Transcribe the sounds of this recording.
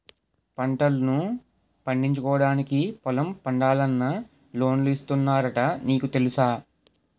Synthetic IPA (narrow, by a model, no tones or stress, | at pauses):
pɐɳʈɐlunu | pɐɳɖiɲt͡ʃukɔːʋɐɽaːnikipɔlɐmpɐɳɖaːlɐnːɐ | lo̞ːnluist̪unːaːɾɐʈɐniːkut̪e̞lusaː